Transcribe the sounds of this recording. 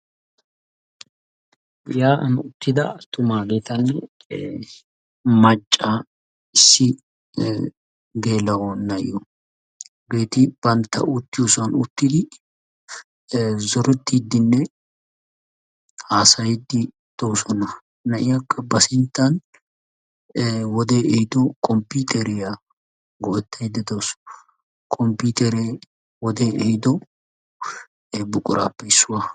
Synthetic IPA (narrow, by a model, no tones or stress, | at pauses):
jaːʔɐnʊt̪ːɪd̪ɐ̰t̪ʊmaːɡeːt̪ɐnɛ | mɐt͡ʃʼːaː | ɪsːɪ | ɡe̞ːlɐwɔnːɐʔɪ̰ʔʊ | ɡeːt̪ɪb̥ɐnt̪ɐ̰ʔʊt̪ːɪjusɐnʊt̪ːɪd̪ɪ | zɔɾɪt̪ːɪd̪ːɪnːɛ | haːsɐjɪd̪ːɪ | d̪̥oːsɔnɐ | nɐʔɪjakːɐbɐsɪnt̪ːɐn | wɔd̪eːɛhɪd̪ɔkʼɔmpiːt̪ʰʼɛɾɪja | ɡɔʔɛt̪ːɐjɪd̪ːɛd̪oːsɔ̥ | kʼɔmpiːt̪ʼɛɾe | wɔd̪eːɛhɪd̪ɔ | bʊkʼʊɾʔa̰ːpːɛɪsːʊwa